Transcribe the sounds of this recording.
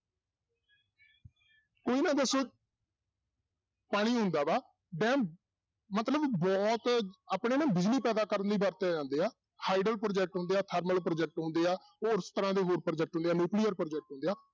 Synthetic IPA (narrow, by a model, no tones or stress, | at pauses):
koːiːnãːd̪əsõː | paːɽ̃iːɦʊ̃nd̪aːbaː | ɖɛ̃ːm | mət̪ləbbɔːt̪aːpɳeːnãːbɪd͡ʒliːpɛːd̪aːkəɾənd̪iːbaːɾt̪eaːd͡ʒãːnd̪eːaː | haːɪɖəlpɾoːd͡ʒɛːk̚ʈɦʊ̃nd̪eːaːt̪ʰəɾməlpɾoːd͡ʒɛːk̚ʈɦʊ̃ːnd̪eːaː | oːɾst̪əɾãːd̪eːɦoːɾpɾoːd͡ʒɛːk̚ʈɦʊnd̪eaːnjuːkliːəɾpɾoːd͡ʒɛːk̚ʈɦʊ̃nd̪eːaː